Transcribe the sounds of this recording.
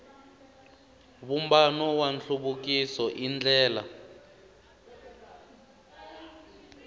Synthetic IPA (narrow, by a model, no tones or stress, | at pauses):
βumbanɔwanɬʰuɓuk̬isɔʔind͡ɮʱɛːla